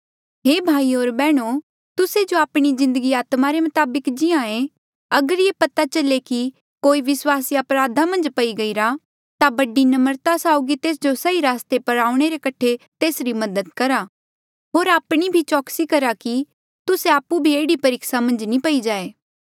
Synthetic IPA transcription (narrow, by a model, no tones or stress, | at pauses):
ɦeːbʱaːioːɾbɛːɽ̃o | t̪ʊsed͡ʒoaːpɽ̃izɪ̃nd̪əɡiaːt̪maɾemɐt̪aːbəkd͡ʒɪãẽ | ɐɡəɾɪepɐt̪at͡ʃɐleki | koːiʋɪswaːsiɐpɾaːd̪ʱamɐ̃nd͡ʒpɐiɡɐiɾa | t̪abɐɖinɐməɾt̪asaːʊɡit̪eːs̬d͡ʒosɐiɾaːst̪epɐɾaːuɽ̃eɾekɐʈʰet̪eːsɾimɐd̪əd̪̚kɐɾa | ɦoːɾaːpɽ̃ibʱit͡ʃɔːksikɐɾaki | t̪ʊseaːpːubʱieːɽipɐɾɪksamɐ̃nd͡ʒnĩpɐid͡ʒaːeː